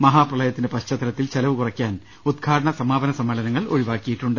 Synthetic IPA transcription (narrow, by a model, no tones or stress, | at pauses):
mɐɦaːprɐɭɐjɐt̪ːindepɐɕt͡ɕɐt̪ːɐlɐt̪ːilt͡ɕelɐʋɨkurɐkʲːaːn | ud̪ɡʰʱaːɽɐɳɐsɐmaːbɐnɐsɐmːeɭɐnɐŋːɐɭo̞̰ɻiʋaːkːijiʈːuɳɖɨ